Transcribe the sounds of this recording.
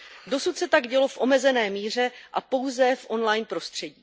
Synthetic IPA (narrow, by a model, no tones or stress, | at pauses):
do̞sut̪sɛt̪aɡɟɛlo̞fʔo̞mɛzɛnɛːmiːr̝ɛʔapo̞wzɛfʔo̞nlajnpɾo̞st̪r̥ɛɟiː